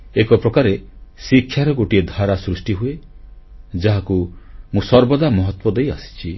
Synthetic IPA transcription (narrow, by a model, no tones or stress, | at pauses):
ekɔpɾɔkaɾesikʰjaɾɔɡoʈied̪ʱaɾasɾusʈiɦue | d͡ʒaɦakumũsɔɾbɔd̪amɔɦɔt̪wɔd̪ejasi̥t͡ʃʰi